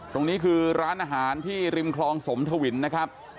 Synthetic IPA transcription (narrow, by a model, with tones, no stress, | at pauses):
t̪o˧ŋniː˦˥kʰɯː˧ɾaː˦˥nʔaː˧ɦaː˩˦nt̪ʰiː˥˩ɾi˧mkʰlɔː˧ŋso˩˦mt̪ʰa˧wi˩˦nːa˦˥kʰa˦˥p̚